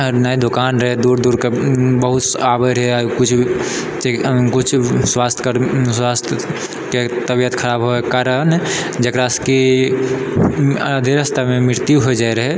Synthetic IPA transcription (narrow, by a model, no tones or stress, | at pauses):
naid̪okaːnɾəɦed̪uɾd̪uːɾkebəɦʊt̪abəɾɦekʊt͡ʃʰ | t͡ʃekʊt͡ʃʰswast̪ʰkəɾswast̪ʰə | ket̪əbijət̪kʰəɾaːbɦoekaɾənd͡ʒəkɾaɪski | d̪ʱeɾəst̪amẽmɪɾt̪ijuɦoid͡ʒaiɾəɦe